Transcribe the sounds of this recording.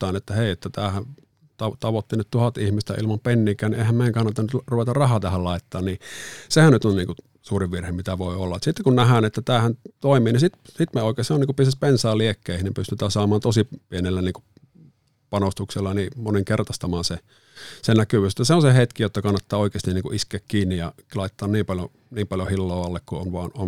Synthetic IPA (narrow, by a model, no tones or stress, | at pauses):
t̪ːɑˑinet̪ːæheˑiet̪ːæt̪æːhæn | t̪ɑt̪ɑʋot̪ːinyt̪t̪uhɑt̪ihmist̪æ̰ʔḭlmɑmpenːiːkˑæːniehæmeieŋkɑnːɑt̪ːɑnyt̪ruʋet̪ɑrɑhɑːt̪æhællɑˑit̪ːɑːnnisehænnyt̪onniːŋku | suːriʋʋirhemmit̪æʋoiolːɑt̪sit̪ːekunnæhæːnet̪ːæt̪æːhænt̪oˑimiːnisit̪sit̪meoˑikeseoniːŋkupyst̪æspensɑːliekːeˑːihnepyst̪yt̪æːsɑːmɑːnt̪osipienelːæniːŋku | pɑnost̪ukselːɑnimoniŋkert̪ɑst̪ɑmɑːnse | senækyʋøːset̪ːæseonsehet̪kijot̪ːɑkɑnːɑt̪ːɑːoˑikeˑːst̪inniːŋkuʔiskeːkkiːnːijɑ̰ | lɑˑit̪ːɑːnniːmpɑljo | niːmpɑljohilːoːɑlːekkuonʋɑːnon